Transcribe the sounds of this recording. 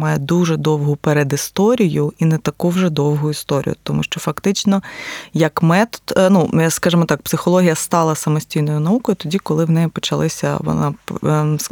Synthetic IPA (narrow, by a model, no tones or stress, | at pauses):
mɑjɛd̪uʒɛd̪ɔwɦʊpeɾed̪ist̪ɔɾʲijʊinɛt̪ɐkuwʒɛd̪ɔwɦʊist̪ɔɾʲḭjʊ̰t̪ɔmuʃt͡ʃɔfɐkt̪ɪt͡ʃnɔjɐkmɛt̪ɔ̥d̪̥nuskɑʒɪmɔt̪ɑk̚psɪxɔlˠɔɦʲijɐst̪ɑlˠɐsɐmɔsʲtʲijnɔjʊnɐukɔjʊt̪ɔdʲikɔlˠɪwnɛjipɔt͡ʃɐlˠɪsʲɐ̰ʋɔ̰na̰s